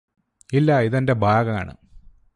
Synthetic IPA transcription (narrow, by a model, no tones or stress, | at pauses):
ilːɐiðɐnde̞bʱaːɡɐma̰ːɳɨ̰